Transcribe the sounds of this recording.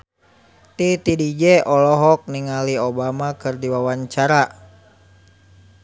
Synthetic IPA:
t̪it̪idid͡ʒɛʔɔlɔɦɔk̚niŋaliobamakɨrdiwawaɲt͡ʃaɾa

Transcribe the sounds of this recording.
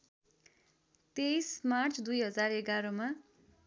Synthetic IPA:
t̪ejsmart͡sʰd̪ujɦʌd͡zareɡaɾoma

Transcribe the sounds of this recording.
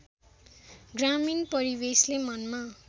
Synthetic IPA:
ɡraminpʌɾibeslemʌnma

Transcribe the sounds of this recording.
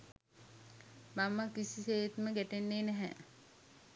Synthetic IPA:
mamakisiseːt̪məɡæʈenːeːnɛɦɛ̰

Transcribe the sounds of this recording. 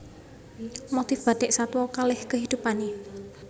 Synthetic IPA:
mot̪ifb̥a̤ɖ̪̥ɛʔsat̪wɔkalɪhkəɦid̪̥upane

